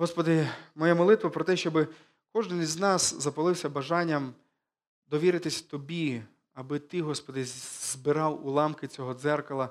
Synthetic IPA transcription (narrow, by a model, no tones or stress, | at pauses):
ɦɔspɔd̪ɪmɔjamɔlˠɪt̪ʋɐpɾɔt̪ɛʃt͡ʃɔbɪ | kɔʒd̪ɪnznɑszɐpɐlˠɪwsʲɐbɐʒɑnʲːɐm | d̪ɔʋʲiɾɪt̪ɪsʲt̪ɔbʲi | ɐbɪt̪ɪɦɔspɔd̪ɪzbɪɾɑwulˠɑmkɪt͡sʲɔɦɔd̪zɛrkɔlˠɐ